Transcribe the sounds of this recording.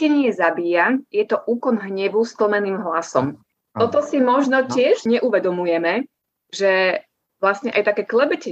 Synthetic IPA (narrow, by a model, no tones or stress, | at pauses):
ɛɲɪɛzabiːjajɛt̪ɔʔuːkɔnɦɲɛʋuskl̩mɛniːmɦlasɔ̰m | t̪ɔt̪ɔsimɔʒnɔcɪɛʒɲɛʔuʋɛd̪ɔmujɛmɛ | ʒɛ | ʋlast̪ɲɛʔajt̪akɛːklɛbɛcɛ